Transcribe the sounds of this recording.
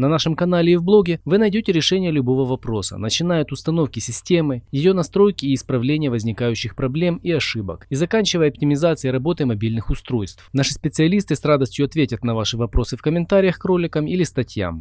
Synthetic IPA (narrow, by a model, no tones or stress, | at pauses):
nɐnaʂɨmkɐnalʲɪːvblˠo̞ɡʲɪvɨnɐjdʲotʲɪɾʲɪʂɛnʲɪjəlʲʊbo̞vəvɐpɾo̞sə̰nət͡ɕɪn̪ajʊt̪ʊst̪ɐno̞fkʲɪsʲɪsʲtʲe̞mɨjɪjo̞nɐst̪ɾo̞jkʲɪːspɾɐvlʲenʲɪjəvəzʲnʲɪkajʉɕːɪxpɾɐblʲe̞miɐʂɨbə̰kizɐkanʲt͡ɕɪvəjəɐp̚tʲɪmʲɪzat̪sɨiɾɐbo̞t̪ɨmɐbʲilʲnɨxʊst̪ɾo̞jst̪fnaʂɨsʲpʲɪt̪sɨɐlʲist̪ɨsrad̪əsʲtʲjʊɐt̪vʲetʲət̪nɐvaʂɨvɐpɾo̞sɨfkəmʲɪnt̪aɾʲɪjəxkro̞lʲɪkəmilʲɪst̪ɐtʲja̰m